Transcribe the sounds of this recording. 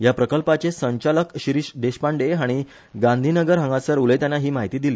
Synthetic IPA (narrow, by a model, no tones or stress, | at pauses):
japɾəkəlpat͡ɕesəɲt͡ɕaləkɕiɾiɕd̪eɕpaɳɖeɦaɽ̃i | ɡãnd̪ʱinəɡəɾɦə̃ŋɡasəɾulet̪janːaɦiːmaɦit̪iːd̪iliː